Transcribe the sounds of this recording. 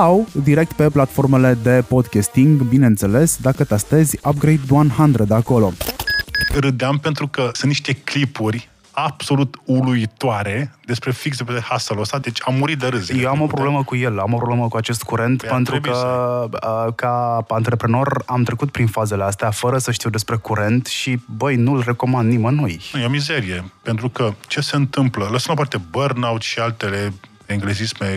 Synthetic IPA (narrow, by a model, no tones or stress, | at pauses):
awd̪iɾe̞k̚t̪pe̞plat̪fo̞rme̞le̞d̪e̞po̞d̪kʲast̪iŋɡbine̞ɨnt̪se̞le̞sd̪akət̪ast̪əzʲab̚ɡɾejt̪̚d̪uanhand̪ɾəd̪eako̞lo̞ | ɾɨd̪eampe̞nt̪ɾukəsɨnt̪niʃt̪e̞klipurʲ | ab̥so̞lut̪uluit̪oaɾe̞d̪e̞spɾe̞fiksep̪ehasəlost̪ad̪et͡ʃʲamːuɾit̪̚d̪eɾɨzjewamo̞pɾo̞ble̞məkuje̞lamopɾo̞bleməkuat͡ʃe̞st̪̚kuɾe̞nt̪pe̞nt̪ɾukəəkaant̪ɾe̞pɾeno̞ɾamt̪ɾe̞kut̪̚pɾinfaze̞le̞ast̪eafəɾəsəʃt̪iwd̪e̞spɾe̞kuɾe̞nt̪ʃibəjnulre̞ko̞mand̪nimənojnujeomize̞ɾije̞pent̪ɾukət͡ʃe̞se̞ɨnt̪ɨmplələsəmd̪opart̪e̞bərnawt̪ʃialt̪ele̞ | eŋɡlezisme